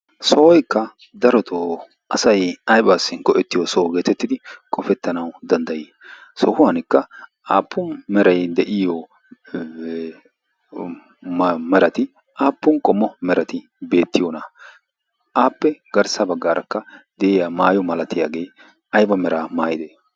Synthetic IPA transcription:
sɔʔɔjkːɐ | d̪ɐɾɔt̪ʰo | ʔɐsɐjɐjbaːsːɪŋkɔʔɛt̪ːɪjɔsɔɡe̞ːt̪ɛt̪ːɪd̪ɪkʼɔfɛt̪ːɐnɐwd̪ɐnd̪ɐjɪ | sɔhʊwɐnɪkːɐʔaːpːʊnmɛɾɐjd̪ɛʔɪjɔ | mɛɾɐt̪ɪ | ʔaːpːʊnkʼɔmːɔmɛɾɐt̪ɪ | be̞ːt̪ːɪjoːnɐ | ʔaːpːɛɡɐɾsɐbɐɡːaːɾʔɐkːɐd̪ɛʔɪjamaːjɔmɐlɐt̪ːɪja̰ːɡe̞ː | ʔɐjbɐmɛɾaːmaːjɪd̪eː

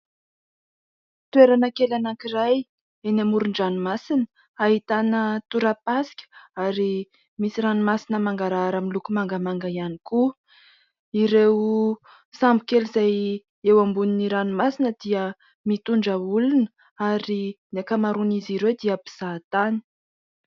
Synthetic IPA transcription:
t̪uweɾanəkelanakiraj | enamuɾuɳɖ͡ʐanumasinə̥ | aɦit̪anət̪uɾapasi̥kʲə̥aɾi | misiɾanumasinəmaŋɡaɾaaɾamilukumaŋɡəmaŋɡaianiku | iɾew | sambikelizaj | ewambuniniɾanimasinəd̪̥iə | mit̪uɳɖ͡ʐəulunə | aɾinekamaɾuniziɾewd̪iapiz̥at̪ani̥

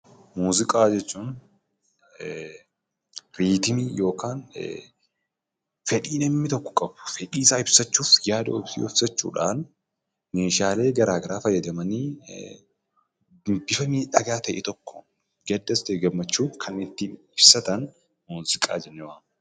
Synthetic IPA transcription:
muːzɪkʼaːd͡ʒɛt͡ʃːuːn | ɾiːt̪ɪmijo̞ːkaːn | fɛᶑiːnɐmːɪt̪ɔkːɔ̥kʼɐbʊ̥fɛᶑiːsaːɪbsɐt͡ʃːuːfjaːd̪ɐɔbsḭːɔfsɐt͡ʃːṵːᶑaːn | me̞ːʃaːle̞ːɡɐɾaːɡɐɾaːfɐjːɐd̪ɐmɐniː | b̥ɪfɐmiːᶑɐɡaːt̪ɐʔɛt̪ɔkːɔ̥ | ɡɛd̪ːɐsd̪eːɡɐmːɐt͡ʃːuːkʰɐnɪt̪ːiːɪbsɐt̪ɐn | muːzɪkʼa̰ːd͡ʒɛnːɐwaːn

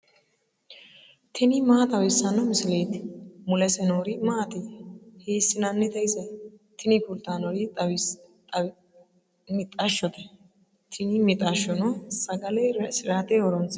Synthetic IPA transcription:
t̪ʰɪnɪmaːt̪ʼɐwɛsːɐnɔmɪsɪleːt̪ɪ̥mʊlɛsɛnoɾɪmaːt̪eheːsːɪnanːɛt̪ɐɪsɐt̪ʰɪnɪpʊlt̪aːnɔɾɪt̪w | mɪt̪ʼɐʃːɔt̪ɛ̥ | t̪ʰɪnɪmɪt̪ʼɐʃːɔnɔsɐɡɐlɛsɪɾaːt̪ɛɔɾɔnt͡s

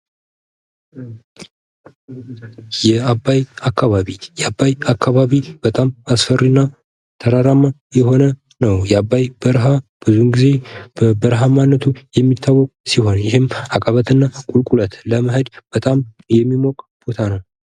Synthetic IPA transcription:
jɛabːajakːaβaβijɛabːajakːaβaβib̥ət̪ʼamasfərinːa | t̪ʰəɾaɾamːajɛɦo̞nə | nəwjɛabːajb̥əɾɦab̥ɨzunɡize̞bəbəɾɦamanːət̪ʰujɛmːit̪ʰːawːɔkʼsiho̞njɪhɪmakʼəβət̪ʰɨnːakʼulkʼulət̪ləməɦəd̪b̥ət̪ʼam | jɛmːimɔkʼb̥ot̪ʰanəw

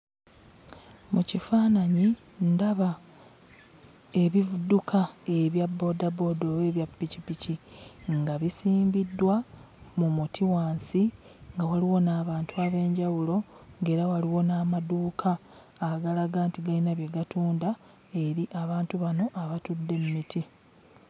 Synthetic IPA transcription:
mucifaːnaɲi | ndaβa | e̞βivudukʰae̞βjabːo̞ːdabo̞ːdoːwe̞ːβjapːicipiciŋɡaβisiːmbidːwa | mumutʰiwaːnsi | ŋɡawaliwo̞naːβaːntuaːβe̞ːɲɟawulo̞ | ŋɡe̞ːɾawaliwo̞naːmaduːkʰaː | ɡalaɡaːntiɡainaβjeɡatuːnda | e̞ɾiʔaβaːntuβano̞ʔaβatudːe̞mumitʰi

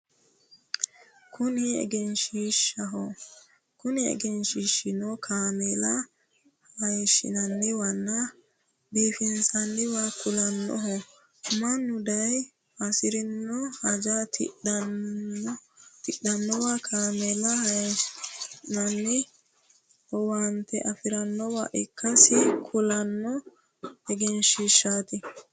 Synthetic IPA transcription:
kʊnɪɛ̰ɡɛnʃiʃːɐɦɔ | kʊnɪɛ̰ɡɛnʃiːʃːɪnɔkʰaːmɛlɐ | hɐjʃːɪ̰nɐnːɛwɐnːɐ | biːfɪnsɐnːɪwakʊlɐnːɔ̰ɦɔ | mɐnːʊd̪ɐj | ɐsɪɾɪnːɔhɐd͡ʒat̪ | t̪ɪɗːɐnːɔwakʰaːmɛlɐhɐ | nɐnːɛ | ɔwant̪ɛʔɐfɪɾɐnːɔwa̰ʔɛkːɐsɪkʰʊlɐnːɔ | ɛɡɛnʃɪʃːaːt̪ɪ

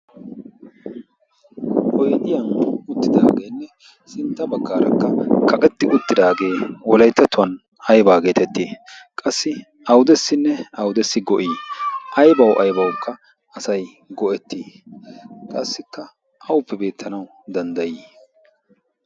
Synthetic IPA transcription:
kʼɔjt̪ɪjɐnʊt̪ːɪd̪a̰ːɡeːnːɛ | sɪnt̪ːɐbɐɡːaːɾɐ̰kːɐkɐkʼɛt̪ːɪʔʊt̪ːɪd̪aːɡe̞ːwɔlɐjt̪ːɐt̪ːʊwɐn | ɐjbaːɡe̞ːt̪ɛt̪ːeːkʼɐsːɪ | ɐwʊd̪ɛsːɪnːɛɐwʊd̪ɛsːɪɡɔʔiːʔɐjbɐwʔɐjbɐwkːɐ | ɐsɐj | ɡɔʔɛt̪ːi | kʼɐsːɪkːɐ | ʔɐwʊpːɛbe̞ːt̪ʰːɐnɐw | d̪ɐnd̪ɐjiː

